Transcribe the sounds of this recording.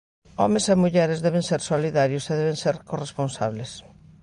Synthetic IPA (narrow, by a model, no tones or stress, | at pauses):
ɔ̰mesemuʎɛɾezðɛβeŋseɾsoliðaɾjʊseðɛβẽŋseɾkoresponsa̰βles